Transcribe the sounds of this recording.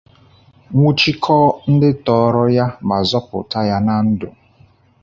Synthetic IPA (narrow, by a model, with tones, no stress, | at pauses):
ŋʷu˦t͡ʃi˦kʰɔ˦n̩˦dɪ˦tɔː˦ɾɔ˦ja˦ma˨zɔ˦pʊ̰˨ta˦ja˦na˦n̩˦dʊ̰˨